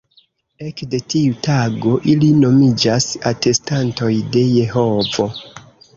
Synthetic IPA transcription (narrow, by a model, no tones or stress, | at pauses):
e̞kde̞tiutaɡo̞ʔilino̞mid͡ʒasate̞stanto̞jde̞je̞ho̞vo̞